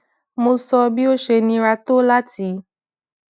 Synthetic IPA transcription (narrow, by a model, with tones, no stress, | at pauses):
mõ˨sɔ˧bi˦wo˦ʃe˧nĩ˨ɾa˨t̪o˦la˦t̪i˨˦